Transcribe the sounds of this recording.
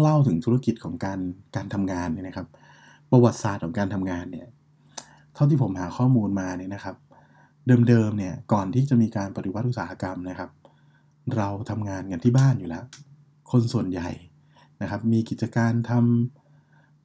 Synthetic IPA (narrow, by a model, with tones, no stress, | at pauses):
ŋla˥˩wt̪ʰɯ˩˦ŋt̪ʰu˦˥ɾa˧ki˨˩t̪̚kʰɔː˩˦ŋkaː˧nkaː˧nt̪ʰa˧mŋaː˧nːi˥˩na˦˥kʰa˦˥p̚ː | a˧wa˨˩t̪̚saː˨˩t̪̚kʰɔː˩˦kaː˧nt̪ʰa˧mŋaː˧nːi˥˩ɐ | t̪ʰa˥˩t̪iː˥˩pʰo˩˦mhaː˩˦xʰɔː˥˩muː˧nmaː˧ni˥˩na˦kʰa˦˥p̚ | dɤː˧mdɤː˧mni˥˩ɐkɔː˨˩nt̪ʰiː˥˩t͡ɕa˨˩miː˧kaː˧npa˨˧t̪i˧˩wa˦˥ʔu˨˩t̪̚saː˩˦ha˧ka˧mna˦˥kʰa˦˥p̚ | ɾa˧wt̪ʰa˧mŋaː˧nka˧nt̪ʰiː˥˩baː˥˩njuː˨˩lɛ˦˥ʔ | kʰo˧nsu˨˩ənja˨˩j | na˦˥kʰa˦˥p̚miː˧ki˨˩t͡ɕa˧kaː˧nt̪ʰa˧m